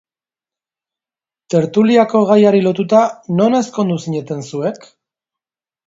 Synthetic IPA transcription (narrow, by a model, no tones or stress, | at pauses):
t̪e̞ɾt̪uliako̞ɣ̞ajaɾilo̞t̪ut̪ano̞ne̞sko̞nd̪usiɲe̞t̪e̞nsue̞k